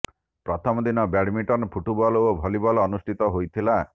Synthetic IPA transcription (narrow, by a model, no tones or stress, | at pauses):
pɾɔt̪ʰɔmɔd̪inɔbeɽmiʈɔnpʰuʈubɔlɔobʱɔlibɔlɔnusʈʰit̪ɔɦojt̪ʰila